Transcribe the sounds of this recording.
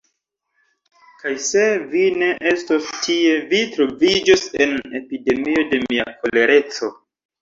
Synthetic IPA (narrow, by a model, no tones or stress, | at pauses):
kajse̞vine̞ʔe̞stostʰie̞vitɾo̞vid͡ʒose̞ne̞pide̞mio̞de̞mia̰ko̞le̞ɾe̞t͡so̞